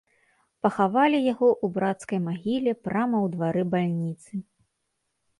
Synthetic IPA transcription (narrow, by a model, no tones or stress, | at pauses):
pɐxavalʲijaɣɔʔubɾat̪skɐjmaɣʲilʲɛpɾamɐwd̪vaɾɨbalʲnʲit̪sɨ